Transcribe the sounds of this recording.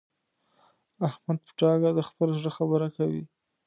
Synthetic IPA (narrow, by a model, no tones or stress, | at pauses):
ahmad̪̚pə̥ʈɑɡad̪əxpəlazɽəxabəɾakawḭ